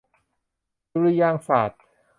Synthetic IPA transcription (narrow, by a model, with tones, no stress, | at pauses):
ɾi˧jaː˧ŋsa̰ː˨˩t̪̚